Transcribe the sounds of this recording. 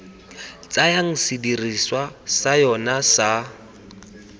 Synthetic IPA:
t͡sajaŋ̩sidiriswasajɔnasa

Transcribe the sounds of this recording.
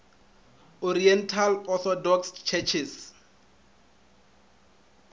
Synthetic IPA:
ɔɾiɛntʰalɔθɔdɔkst͡ʃʰɛt͡ʃʰis

